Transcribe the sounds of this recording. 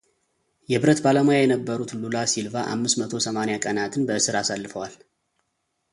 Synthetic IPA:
jɛbɨɾət̪baləmojajɛnəbːəɾut̪lulasilvaʔa̰mːɨsmət̪ʰo̞səmanejakʼənat̪ʰɨnbəɨsɨɾasalːɨfəwal

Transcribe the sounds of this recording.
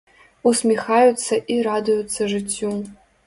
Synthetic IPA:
usmʲixajut͡sʰɐʔiradɨjut͡sʰːɐʐɨtʲʰːju

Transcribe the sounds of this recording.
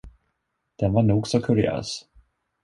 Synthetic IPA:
d̪̥ɛnvaɳuːɡsɔkʰɵɾɪø̰ːs

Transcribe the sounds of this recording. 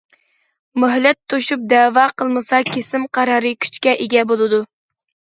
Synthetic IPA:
møɦlɛt̪ʰːoʃup̚d̪ɛːwɑqʰəlˠmɨsɑkʲʰesɪmqʰɑɾɑːɾɨkʲʰy̥t͡ʃkʲɛʔeɡʲɛbolˠɨd̪u

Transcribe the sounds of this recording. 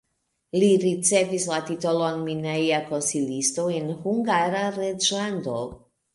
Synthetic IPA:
liɾit͡se̞vislatito̞loaŋminajako̞nsilisto̞enhuŋɡaɾaɾed͡ʒlando

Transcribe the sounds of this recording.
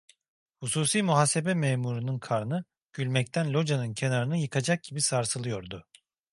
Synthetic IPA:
husuːsiːmuɦaːse̞bɛmɛːmuɾunɯnkʰaɾnɯ | ɟ̥ylʲmɛc̚t̪ʰænlʲo̞d͡ʒanɯncʰenaɾɯnɯjɯkʰad͡ʒak̚ɟibisaɾsɯlˠɯjo̞ɾd̪ʊ

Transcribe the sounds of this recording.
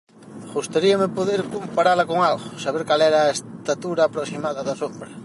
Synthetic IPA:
ɣust̪aɾiamepoðeɾkompaɾalakoŋalɣosaβ̞eɾkalɛɾaest̪at̪uɾaːpɾosimaðɐðasombɾa

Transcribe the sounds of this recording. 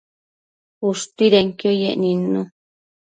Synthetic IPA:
uʂt̪iɾeŋkiojeʔnĩnũ

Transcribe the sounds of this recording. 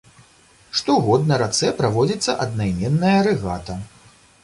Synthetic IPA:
ʂt̪ɔɣɔd̪nɐɾat̪sɛpɾavɔd͡zʲit̪sːɐʔɐd̪̚najmʲɛnːɐjɐɾɨɣat̪ɐ

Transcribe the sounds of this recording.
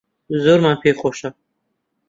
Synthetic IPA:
zuɾmanpʰeχɔʃa

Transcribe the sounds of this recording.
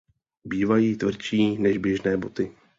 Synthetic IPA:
biːvajiːt̪vr̩t͡ʃiːnɛʒbjɛʒnɛːbo̞t̪ɪ

